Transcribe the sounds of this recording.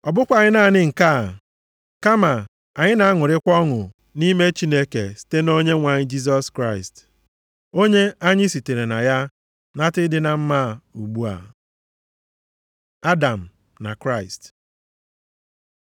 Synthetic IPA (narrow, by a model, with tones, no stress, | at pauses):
ɔ˨bʊ˦kʷa˨ɲɪ˦na˦˨ɲɪ˦ŋ̩˨ka˦˨ | ka˦ma˨ | a˨ɲɪ˦na˨˦ŋʊ˨ɾɪ˦kʷɔ˦ŋʊ˨ | ni˦me˦t͡ʃi˦ne˦ke˨si̥˨te˦no˦ɲe˦ŋʷa˨ɲɪ˦d͡ʒi˦s̬ɔ˦skɾa˦˨ɪ˨st | o˦ɲe˦a˦ɲɪ˦si˨te˨ɾe˨na˨ja˦ | na˦tɪ˦dɪ˦na˨m̩˦maː˦˨u˨ɡ͡bu˦a̰˨ | a˦da˨m̩˨ | na̰˨kɾa˦ɪ˨st